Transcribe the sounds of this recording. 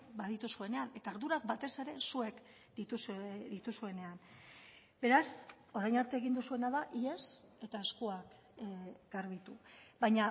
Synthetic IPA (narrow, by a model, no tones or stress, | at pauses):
baðit̪usue̞ne̞ane̞t̪aːɾðuɾak̚bat̪e̞se̞ɾe̞sue̞k | d̪̥it̪usðit̪usue̞ne̞an | be̞ɾas | o̞ɾajnaɾt̪eːɣind̪usue̞naðaʔie̞se̞t̪aeskoak | ɡ̥aɾβ̞it̪ubajɲa